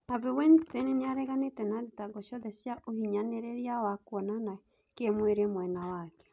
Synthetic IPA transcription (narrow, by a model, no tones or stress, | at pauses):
navewenstenineaɾɛɣanetɛnaðitaɡɔʃɔðɛʃjaʔohiɲaneɾeɾjawakwɔnana | kemweɾemwɛnawakɛ̥